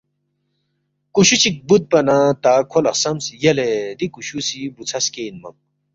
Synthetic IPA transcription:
kuɕut͡ɕʰik̚but̪̚pɐnat̪akʰolɐqsɐmsjɐled̪ikuɕusibut͡sʰɐskenmɐ̰m

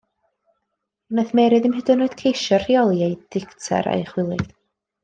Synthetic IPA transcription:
naθmɛɾɨðɪmɦədɨnoɨd̥kʰejʃɔr̥iɔlˠjajd̥ɪktʰɛ̰ɾa̰jχwɪlˠɪð̥

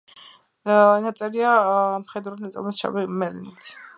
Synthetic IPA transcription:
nat̪sʼɛɾiamχɛd̪ɾunat̪sʼɛ̰lmɛsʃa̰wimɛlinit̪ʰ

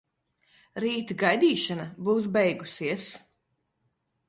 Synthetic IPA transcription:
ɾiːt̪ɡajd̪iːʃanabuːs̬bɛjɡusiɛs

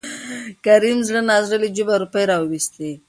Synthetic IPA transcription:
kaɾimzɽənɑzɾəlid͡ʒubaɾupəjɾawwist̪e

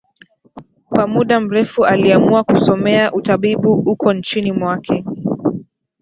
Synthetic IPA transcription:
kwamuɗam̩ɾɛfualiamuakusɔmɛaʔutaɓiɓuhukɔnt͡ʃinimwakʰɛ

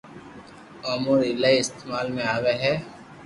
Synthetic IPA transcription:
ɔːmuɾɪlaːiɪst̪eːmaːlmẽaːʋeɦɛː

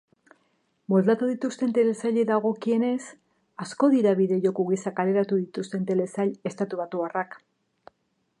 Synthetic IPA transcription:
bo̞lt̪at̪uðit̪ust̪e̞nt̪e̞le̞saʎeðaɣ̞o̞kie̞ne̞s | asko̞ðiɾaβiðe̞ʝo̞kuɣisakale̞ɾat̪uðit̪ust̪e̞nt̪e̞le̞saʎe̞st̪at̪uβat̪uarak

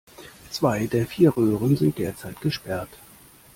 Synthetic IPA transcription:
t͡sv̥aɪdeːɐfiːɐʁøːʁənzɪnt̚d̥eːɐt͡saɪtɡ̥əʃpɛɐt

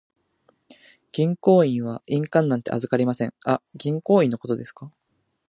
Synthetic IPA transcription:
ɡ̥ʲĩŋko̞ːĩɰ̃β̞aʔĩŋkãnːãnt̪eʔa̰zɨkaɾʲimasẽ̞ŋaɡʲĩŋko̞ːĩnːo̞ko̞t̪o̞d̪e̞sɨ̥ka

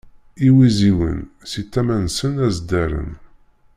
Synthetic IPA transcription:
iwiziwə̰nsit̪ːæmænsənæzd̪æɾə̰n

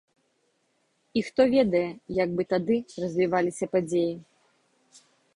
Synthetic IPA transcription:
ixt̪ɔvʲɛd̪ɐjɛjaɡ̚bɨt̪ad̪ɨrɐzʲvʲivalʲisʲɐpad͡zʲeji

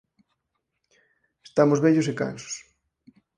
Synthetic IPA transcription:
est̪amozβɛʎʊs̬eka̰nso̥s

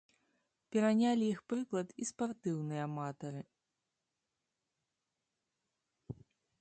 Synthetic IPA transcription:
pʲɛɾanʲalʲijixpɾɨklˠɐt̪ispart̪ɨwnɨjɐamat̪ɐɾɨ

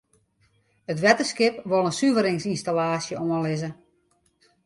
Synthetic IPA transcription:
ətʋɛtəskɪpʋolˠənsyvəɾɪŋsinstalaːsjəɔəlɪzə

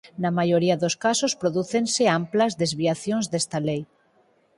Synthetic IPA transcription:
nɐmajoɾiaðoskasospɾoðuθenseamplɐzðezβiaθjõŋzðest̪alej

